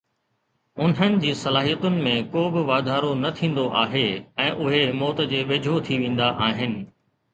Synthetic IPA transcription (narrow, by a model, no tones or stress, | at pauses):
ʊn̤ənɪ̆d͡ʑiːsɐlaːɦijət̪ʊnɪ̆mẽkoːbɪʋaːd̪ʱaːɾonɐt̪ʰĩːn̆d̪oʔaːɦeɛ̃ːʔʊɦemɔːt̪d͡ʑeːʋeːd͡ʑʱot̪ʰiʋẽːn̆d̪aʔaːɦɪnɪ̆